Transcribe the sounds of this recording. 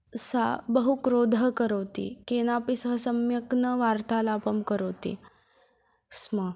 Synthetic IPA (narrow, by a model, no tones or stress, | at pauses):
sa̰bəɦukɾod̪ʱəkəɾəʋt̪ḭkenapisəɦəsəmjəknəʋaɾt̪alapəmkəɾəwt̪ḭ | smə